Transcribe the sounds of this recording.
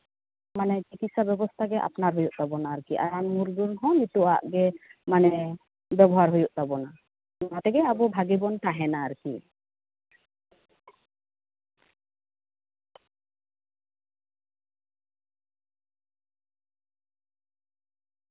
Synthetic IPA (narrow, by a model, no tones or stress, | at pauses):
manɛt͡ʃikit̪̚sabɛbɔst̪ʰaɡɛʔa̰pnaɾɦojuʔt̪abɔnaːɾkiʔa̰ɾanmuɾɡunɦɔnit̪uaʔɡɛmanɛ | bɛbɔɦaɾɦojuʔt̪abɔna | at̪ɛɡɛabɔbʱaɡibɔnt̪aɦɛnaːɾkḭ